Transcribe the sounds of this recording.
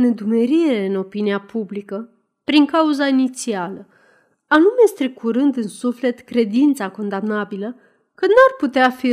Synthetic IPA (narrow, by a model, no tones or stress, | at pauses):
ne̞d̪ume̞ɾiɾe̞ɨno̞piniapublikə | pɾiŋkauzainit̪sialə | anume̞st̪ɾikʰuɾɨnd̪ɨnsufle̞t̪kɾe̞d̪int̪sako̞nd̪amnabilə | kɨnnuarput̪eafi